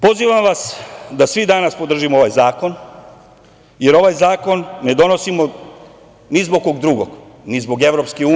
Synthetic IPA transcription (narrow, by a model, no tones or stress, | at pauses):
po̞ziʋamʋasd̪asʋid̪anaspod̪r̩ʒimooʋajzaːko̞n | je̞ɾo̞ʋajzaːko̞nːe̞d̪o̞no̞simo | nizbokoɡd̪ɾuɡo̰ɡnizbo̞ɡe̞ʋɾo̞pskeuː